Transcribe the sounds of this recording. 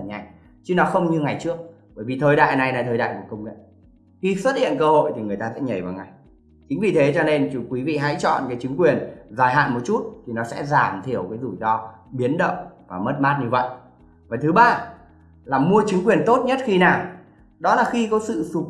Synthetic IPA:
ɲa̰˨˩jŋ | t͡ɕi˨˦nɔ˨˦xə˧wŋ͡mɲɨ˧ŋa˨˩jt͡ɕɨ˦˥ək̚ | ɓəː˧˩jvi˨˩t̪ʰəː˧˩jɗa̰ː˧˨jna˨˩jna˨˩jt̪ʰəː˧jɗa̰ː˧˨jku˧˩əkə˧wŋ͡mŋḭ˧˨j | xi˧swə˦˥t̚hḭ˧˨ənkəː˧ho̰˧˨jt̪ʰi˨˩ŋɨ˨˩əjt̪aː˧sɛ̰˧˥ɲə˨˩jvaː˨˩ŋa˨˩j | t͡ɕï˨˦ŋ̟vi˨˩t̪ʰe˨˦t͡ɕɔ˧ne˧nt͡ɕu˨˧kwi˨˦vḭ˧˨ɦa̰˧˥jt͡ɕɔ̰˧˨nkaː˨˦jt͡ɕɨ˨˦ŋ̟kwi˨˩ənzaː˧˩jɦa̰ː˧˨nmo˨˩t̚t͡ɕu˦˥t̚t̪ʰi˨˩nɔ˨˦sɛ̰˧˥zaː˧˩mt̪ʰi˧˩əwkaː˨˦jzu˨˩zɔ˧ɓi˨˦ənɗə̰˧˨ŋ͡mvaː˨˩mə˦˥t̚maː˦˥t̚ɲɨ˧və̰˧˨jʔ | vaː˨˩t̪ʰɨ˨˦ɓaː˧ | laː˨˩mu˧ət͡ɕɨ˨˦ŋkwi˨˩ənt̪o˦˥t̚ɲə˦˥t̚xi˧naː˨˩w | ɗɔ˨˦laː˨˩xi˧kɔ˨˦sɨ̰˧˨su˨˩

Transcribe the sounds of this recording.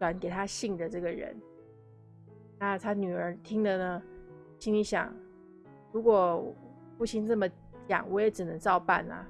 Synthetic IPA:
kwa˨˥nke˨˩ɪt̪ʰa˥ɕi˥˩ŋd̪ə˩ʈ͡ʂɤ˥˩ɡə˩ɻə̰˧˥n | na˥˩t̪ʰa˥ny˨˩ə˞˧˥t̪ʰi˥ŋd̪ə˨nə˩ | t͡ɕʰi˧˥ŋli˧˥ɕjɑ̰˨˩˦ŋ | ɻu˧˥kwɔ˨˩˨ | pu˥˩ɕi˥nt͡sɤ˥˩mə˩ | t͡ɕjɑ̰˨˩˦ŋwɔ˧˥jɛ˧˥ʈ͡ʂɻ̩˨˩nɤ˧˥ŋt͡sɑ˥˧ʊpa̰˥˩nɐ̰˩

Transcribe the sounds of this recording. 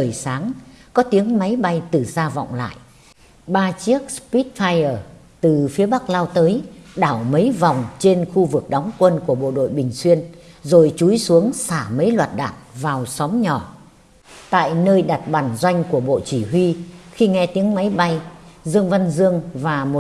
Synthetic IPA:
əː˨˩jsaː˨˦ŋkɔ˨˦t̪i˨˦əŋma˨˦jɓa˧jt̪ɨ˨˩zaː˧vɔ̰˧˨wŋ͡mla̰ː˧˨j | ɓaː˧t͡ɕi˦˥ək̚spi˦˥t̚faː˧jəː˨˩ | t̪ɨ˨˩fi˨˦əɓa˦˥k̚laː˧wt̪əː˨˦jɗaː˧˩wmə˨˦jvɔ˨˩wŋ͡mt͡ɕe˧nxu˧vɨ˨˩ək̚ɗɔ˨˦wŋ͡mkwə˧nku˧˩əɓo̰˧˨ɗo̰˧˨jɓï˨˩ŋ̟swi˧ənzo˨˩jt͡ɕu˨˦jsu˨˦əŋsaː˧˩mə˨˦jlwaː˨˩t̚ɗa̰ː˧˨nvaː˨˩wsɔ˨˦mɲɔ˧˩ | t̪a̰ː˧˨jnəː˧jɗa˨˩t̚ɓaː˧˩nzwa˧jŋ̟ku˧˩əɓo̰˧˨t͡ɕi˧˩ɦwi˧xi˧ŋɛ˧t̪i˨˦əŋma˨˦jɓa˧jzɨ˧əŋva˧nzɨ˧əŋvaː˨˩mo˨˩

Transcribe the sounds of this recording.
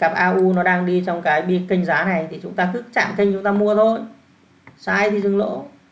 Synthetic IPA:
kaː˨˩p̚ʔaː˧ʔu˧nɔ˨˦ɗaː˧ŋɗi˧t͡ɕɔ˧wŋ͡mkaː˨˦jɓi˦˧˥əkːï˧ŋ̟zaː˨˦na˨˩jt̪ʰi˨˩t͡ɕʊ˨˦ŋ͡mt̪aː˧kɨ˦˥k̚t͡ɕa̰ː˧˨mkï˧ŋ̟t͡ɕʊ˨˦ŋ͡mt̪aː˧mu˧ət̪ʰo˧j | saː˧˩jt̪ʰi˨˩zɨ˨˧˩ŋlo̰˧˥

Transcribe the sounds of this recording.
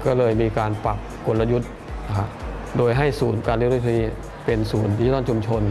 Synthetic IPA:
kɔː˥˩lɤː˧jmiː˧kaː˧npa˨˩kːo˧˩tla˧ju˦˥t̪̚ | na˧kʰa˦˥doː˧jɦa˥˩jsuː˩˦nkaː˧nl̚ɾa˧˩tʰiː˧˥˩ | pe˧nsuː˩˦nt̪ʰiː˧˥˨ɔ˥˩nt͡ɕʰu˧mt͡ɕʰo˧n

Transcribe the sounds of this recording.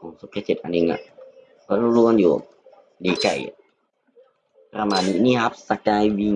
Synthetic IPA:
kɔ˨˩˦ŋsu˧˦p̚kʰa˧˩t͡ɕe˨˩t̪̚ʔa˧ni˧ŋa̰˧˨ʔ | kɔ˧˨lu˧lu˧ənjṵː˨˩˨ | diː˨˩ka˧˩ja̰˨ | pɾa˧maː˧˨ni˧niː˧˨ha˧˦p̚sa˧kaː˧jwi˧ŋ

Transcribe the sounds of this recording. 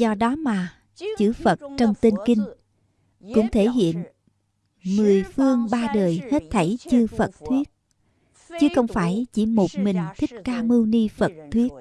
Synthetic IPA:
zɔ˧ɗɔ˨˦maː˨˩ | t͡ɕɨ̰˧˩fə˨˩t̚t͡ɕɔ˧wŋ͡mt̪i˧nki˧ŋ̟ | kʊ̰˧˥ŋ͡mt̪ʰe˧˩ɦḭ˧˨ən | mɨ˨˩əjfɨ˧əŋɓaː˧ɗəː˨˩jhe˦˥t̚t̪ʰə˧˩jt͡ɕɨ˧fə˨˩t̚t̪ʰwi˦˥ət̚ | t͡ɕɨ˨˧˦xə˧wŋ͡mfaː˧˩jt͡ɕi˧˩mo˨˩t̚mï˨˩ŋ̟t̪ʰï˦˥k̟̚kaː˧mɨ˧wni˧fə˨˩t̚t̪ʰwi˦˥ət̚

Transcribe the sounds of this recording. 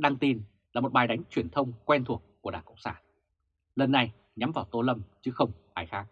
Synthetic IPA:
ɗa˧ŋt̪i˧n | laː˨˩mo˨˩t̚ɓaː˨˩jɗa˨˦jŋ̟t͡ɕwi˨˩ənt̪ʰə˧wŋ͡mkwɛ˧nt̪ʰu˨˩əkːu˧˩əɗaː˧˩kə˧˩ŋ͡m̚sa̰ː˧˩n | lə˨˩nːa˨˩j | ɲa˨˦mvaː˨˩wt̪o˧lə˧mt͡ɕɨ˨˦xə˧wŋ͡mɓaː˧˩jxaː˦˥k̚

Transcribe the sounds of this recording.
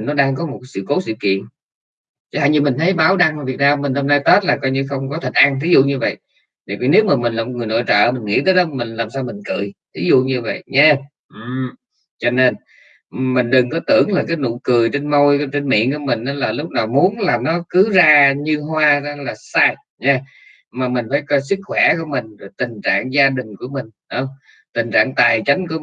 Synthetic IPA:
nːɔ˨˦ɗaː˧ŋkɔ˨˦mo˨˩kːjsɨ̰˧˨ko˨˦sɨ̰˧˨kḭ˧˨ən | t͡ɕɔ˧ha̰ː˧˨jɲɨ˧mï˨˩ŋ̟t̪ʰjɓaː˨˦wɗa˧ŋa˨˩vi˨˩ək̚naː˧mmi˨˩ŋ̟ho˧mnaː˧jt̪ə˦˥t̚laː˨˩kɔ˧jɲɨ˧xə˧wŋ͡mkɔ˨˦t̪ʰi˨˩ŋ̟ʔa˧ŋt̪ʰi˨˦zṵ˧˨ɲɨ˧və̰˧˨j | t̪ːvḭ˨˩ne˨˦wmaː˨˩mi̟˨˩laː˨˩mo˩ɨ˨˩jno̰˧˨jt͡ɕə̰ː˧˨mi˨˩ŋ̟ŋḭ˧˥t̪ʰəː˨˦jɗɔ˨˦mï˨˩ŋ̟laː˨˩msaː˧wmï˨˩ŋ̟kɨ̰˧˨jt̪ʰi˨˦zṵ˧˨ɲɨ˧və̰˧˨jɲɛ˧ | ʔɨ˨˩m | t͡ɕɔ˧ne˧n˨ | mi˨˩ŋ̟ɗɨ˨˩ŋkɔ˨˦t̪ɨ̰˧˩əŋlaː˨˩kaː˨˦jnʊ̰˧˨kɨ˨˩əjt͡ɕe˧nmo˧jkt͡ɕe˧nmḭ˧˨ənku˧˩əmï˨˩ŋ̟ʔaː˨˦laː˨˩lʊ˦˥k͡p̚naː˨˩wmu˨˦ənlaː˨˩mnɔ˨˦kɨ˨˦zaː˧ɲɨ˧ɦwaː˧za˧laː˨˩saː˧j | ɲɛ˧ | maː˨˩mï˨˩ŋ̟faː˧˩˦jkɔ˧jsɨ˦˥k̚xwɛ˧˩ku˧˩əmï˨˩ŋ̟zo˨˩jt̪ï˨˩ŋ̟t͡ɕa̰ː˧˨ŋzaː˧ɗï˨˩ŋ̟ku˧˩əmï˨˩ŋ̟ɗwŋ͡m | t̪ï˨˩ŋ̟t͡ɕa̰ː˧˨ŋt̪aː˨˩jt͡ɕa˨˦jŋku˧˩ə

